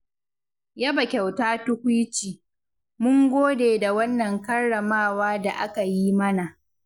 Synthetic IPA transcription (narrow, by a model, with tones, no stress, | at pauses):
ja˦bɐ˨kʲa˨wtaː˦tʊ˦kʷu˦t͡ʃiː˨ | mʊ˦ŋɡʷoː˦deː˨da˨wɐ˦nːɐ˨ŋkɐ˦rːɐ˨maː˦˨waː˦da˨ʔa̰˦ka˨jiː˦mɐ˦na˨ʔ